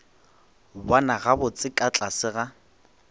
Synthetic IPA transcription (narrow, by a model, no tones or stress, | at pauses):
banaɣabʊt͡sʼɪkʼat͡ɬʼasɪɣa